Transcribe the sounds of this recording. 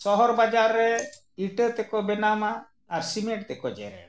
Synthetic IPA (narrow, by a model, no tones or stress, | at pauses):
sɔɦɔɾbad͡ʒaɾːɛ | iʈət̪ɛkɔbɛnamaː | ɾsimeʈ̚t̪ɛkɔd͡ʒɛ̰ɾɛ̰